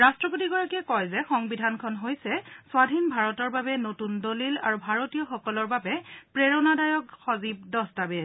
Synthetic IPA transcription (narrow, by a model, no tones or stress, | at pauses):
ɹastɹɔp̬otiɡɔɹakiɛkɔjzɛxɔŋbidʱankʰɔnɦojsɛsʊwadʱinbʱaɹɔtɔɹbabɛnotundolila̰ɹubʱaɹotijɔxɔkɔlɔɹbabɛpɹeɹɔnadajɔkxɔzib̚dɔstabɛ